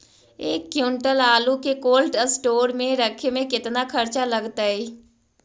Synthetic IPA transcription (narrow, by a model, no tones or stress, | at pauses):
eːkːjuːɳʈəlaːlukekoːlʈəsʈoːɾmẽɾɐkʰemẽkɪt̪nakʰɐɾt͡ʃalɐɡt̪aɦɛː